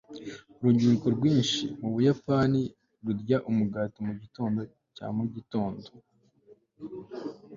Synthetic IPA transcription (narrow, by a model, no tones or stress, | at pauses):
uɾuɟuɾiko̞ɾɡwiːnʃimuβujapani | ɾuɾɟaʔumuɡaːtomuɟito̞ːndo̞ | ca̰muɟito̞ːndo